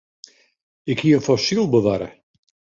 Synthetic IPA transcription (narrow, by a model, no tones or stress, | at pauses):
ɪkhiəənfɔsilˠbəʋaɾə̰